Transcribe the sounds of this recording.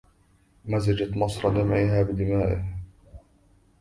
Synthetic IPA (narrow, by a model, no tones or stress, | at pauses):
mazɪd͡ʒat̪mɑsˤɾˤɑd̪amʕiːɦaːbɪd̪ɪmaːʔɪh